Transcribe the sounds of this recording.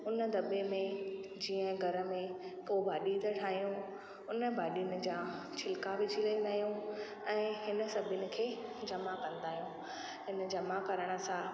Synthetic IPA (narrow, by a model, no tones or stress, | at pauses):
ʊnə̆d̪ɐbemẽd͡ʑiːə̃ɡʱɐɾə̆mẽkobʱaːɗit̪əʈʰaːɦijũ | ʊnə̆bʱaːɗinɪ̆d͡ʑaː | t͡ɕʰɪlkabɪd͡ʑʱiləĩnd̪aːɦijũ | ɛ̃ːɦɪnə̆sɐbʱɪnɪ̆kʰeːd͡ʑɐmakɐ̃nd̪aːɦijũ | ɦɪnəd͡ʑɐmakɐɾəɽ̃ə̆sã